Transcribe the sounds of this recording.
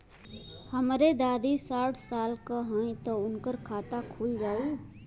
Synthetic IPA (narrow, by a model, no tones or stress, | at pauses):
həmɾed̪aːd̪isaːʈʰsaːlkəɦə̃ĩt̪əʊnkəɾkʰaːt̪akʰuːld͡ʒaːi